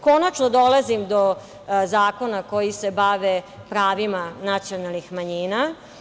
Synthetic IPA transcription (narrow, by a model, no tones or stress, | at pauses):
ko̞nat͡ʃnod̪olazimd̪o | zaːko̞nako̞jisebaʋe | pɾaːʋimanat̪sijo̞nalˠnixmaɲiːna